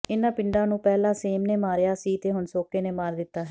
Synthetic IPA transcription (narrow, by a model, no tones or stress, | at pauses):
ɪnãːpɪɳɖãːnũːpɛːlãːseːmneːmaːɾjaːsiːt̪eːɦʊnsoːkeːneːmaːɾd̪ɪt̪ːaːɦɛː